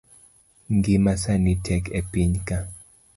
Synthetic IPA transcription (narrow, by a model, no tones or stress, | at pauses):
ŋɡimasanitʰɛkʰepiɲka